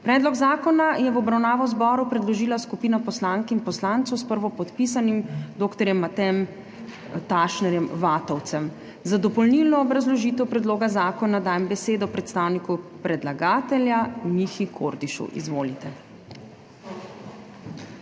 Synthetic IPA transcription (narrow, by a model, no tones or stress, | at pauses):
pɾɛːd̪lɔɡzaːkɔnajɛʋɔbɾawnaːʋɔwzbɔːɾupɾɛd̪lɔʒiːlaskupiːnapɔslaːŋkinpɔslaːnt̪sɔwspəɾʋɔpɔt̪pis̬animd̪oːkt̪ɔɾjɛmːat̪ɛm | t̪aʃnɛɾjɛmʋaːt̪ɔwt̪sɛm | zad̪ɔpɔlnilnɔɡɾazlɔʒit̪ɛwpɾɛd̪loːɡazaːkɔnad̪aːjɛmbɛseːd̪ɔpɾɛt̪st̪aːwnikupɾɛd̪laɡaːt̪ɛljanixikʰoɾd̪iʃṵʔḭzʋoːlit̪ɛ